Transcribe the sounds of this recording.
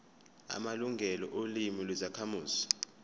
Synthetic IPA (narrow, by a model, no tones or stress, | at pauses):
a̰maluŋɡʱɛlɔ̰ʔolimilwizakʰamuːzi̥